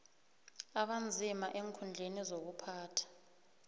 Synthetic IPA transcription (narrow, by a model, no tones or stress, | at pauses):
aɓand͡zʱimaʔeŋkʰund͡ɮʱenizok̬upʰaːtʰḁ